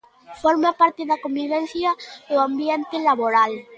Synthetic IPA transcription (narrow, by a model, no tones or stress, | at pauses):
foɾmapaɾt̪eðakombiβenθjaeambjent̪elaβoɾal